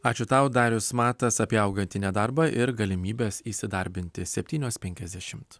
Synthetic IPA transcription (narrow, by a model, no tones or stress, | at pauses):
ɑːt͡ʃʲʊt̪ɐʊd̪ɑːɾʲʊsmɑːt̪ɐsɐpʲiːɐʊɡɐnʲt̪ʲɪnʲɛd̪ɑɾbɐʔɪɾɡɐlʲɪmʲiːbʲeːsiːsʲɪd̪ɐɾʲbʲɪnʲt̪ʲɪsʲɛpʲt̪ʲiːnʲoːspʲɛŋʲkʲɛzʲd̪ʲɛʃʲɪmt̪